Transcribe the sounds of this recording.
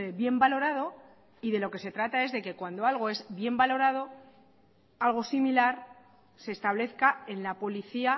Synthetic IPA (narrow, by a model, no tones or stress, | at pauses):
eβje̞mbalo̞ɾað̞o̞ | iðe̞lo̞ke̞se̞t̪ɾat̪ae̞zðe̞ke̞kwand̪o̞alɣo̞e̞zbje̞mbalo̞ɾað̞o̞ | alɣ̞o̞similaɾ | se̞ːst̪aβle̞θkae̞nlapo̞liθia